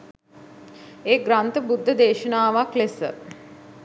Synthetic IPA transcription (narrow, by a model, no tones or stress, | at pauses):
eːɡɾant̪əbud̪ʱːəd̪eːʃənaːʋaklesə̰